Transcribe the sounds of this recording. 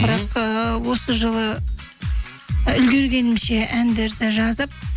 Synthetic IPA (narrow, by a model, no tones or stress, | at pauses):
bəɾɑqəwo̞səʒəlˠə | ʏlɡʲe̞ɾɡʲe̞nɪmʃe̞ʔænd̪e̞ɾd̪ɪʒɑzəp̚